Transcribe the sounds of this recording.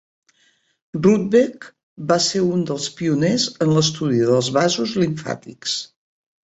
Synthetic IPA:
rrud̪̚bek | baseɾund̪əlˠspiunezənləst̪uðiðəlˠzβazuzliɱfa̰t̪ḭks

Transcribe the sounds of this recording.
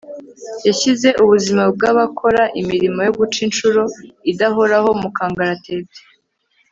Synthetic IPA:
jaçize̞ʔuβuzimab̚ɡaːβakʰo̞ɾaʔimiɾimo̞jo̞ɡut͡ʃint͡ʃuɾo̞idaɦoɾaho̞mukaːŋɡaɾate̞ːte̥

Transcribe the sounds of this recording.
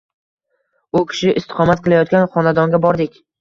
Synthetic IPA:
ʊkʲʰɪ̥ʃɪʔɪst̪ɪ̥qɒmat̪̚qɨlˠajɒt̪̚kʲanχɒnad̪ɒŋɡʲabɒɾd̪ɪkʲ

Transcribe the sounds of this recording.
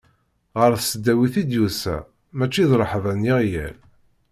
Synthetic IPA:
ʁəɾθsəd̪ːæwiθid̪jusæ̰ | mæt͡ʃːiðɾˤəħvænjiʁjæ̰l

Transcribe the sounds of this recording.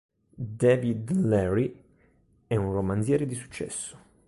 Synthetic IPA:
d̪ɛːvid̪lɛɾi | ɛunromanzjɛːɾed̪isu̥t͡ʃːɛ̰sːʊ̥

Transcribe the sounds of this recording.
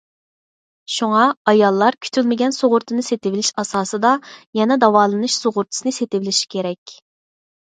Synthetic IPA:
ʃuŋɑɑjɑlˠːɑɾkʲʰy̥t̪ʰylmɪɡʲɛnsoʁʊɾt̪ʰɨnɨset̪ɪvɪlɪʃɑsɑːsɨd̪ɑjɛnɛd̪ɑwɑːlˠɨnɨʃsoʁʊɾt̪ʰɨ̥sɨnɨset̪ɪvɪlɪʃi̥kʲʰeɾɛkʲ

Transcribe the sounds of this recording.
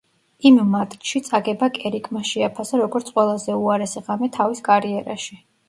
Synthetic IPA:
immat̪ʼʃit̪sʼaɡɛbakʼɛɾikʼʰmaʃɛapʰasaɾɔɡɔɾt̪sʰqʼwɛlˠazɛuaɾɛsɛʁamɛt̪ʰaviskʼaɾiɛɾa̰ʃi

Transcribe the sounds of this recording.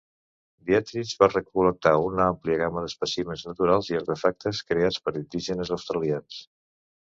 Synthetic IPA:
b̪iat̪ɾizβarəkulək̚t̪aunampliəɣaməðəspəsiməznət̪uɾalˠziəɾt̪əfak̚t̪əskɾeat͡spəɾind̪iʒənəzəwst̪ɾəlians

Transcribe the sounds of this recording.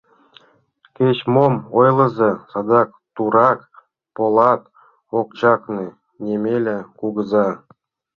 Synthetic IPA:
kʲet͡ɕmomojlˠɤ̆zesɑd̪ɑk̚ | t̪uɾɑk | polˠɑt̪ | okt͡ɕɑkni | nʲemʲelʲɘ̆kuɡə̆zɑ

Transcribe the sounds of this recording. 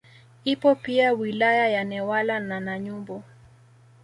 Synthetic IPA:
ipɔpiawilajajanɛwalananaɲumbɔ

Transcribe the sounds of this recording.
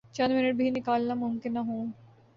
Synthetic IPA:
t͡ʃɐ̃nd̪mɪnəʈ̚bʱinɪkaːlnamʊmkɪnːaɦũː

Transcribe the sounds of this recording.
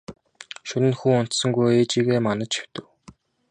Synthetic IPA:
ʃɵnɘ̆nxuːʊn̥t̪sɵ̆ŋɡujeːt͡ɕiːɣeːmanə̆t͡ɕʰi̥wt̪ɘ̆w

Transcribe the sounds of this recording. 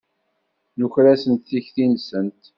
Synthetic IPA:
nuçɾæsənt̪θiçθinsənt̪

